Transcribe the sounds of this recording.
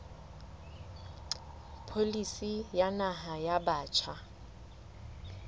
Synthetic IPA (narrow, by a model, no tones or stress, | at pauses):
pʰolisijanaɦajabaːt͡ʃʰa